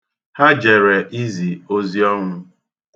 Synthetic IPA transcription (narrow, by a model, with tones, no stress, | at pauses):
ha˦d͡ʒe˨ɾe˨ʔi˦zi˨o˦zi˦ɔ˦ŋʷʊ˦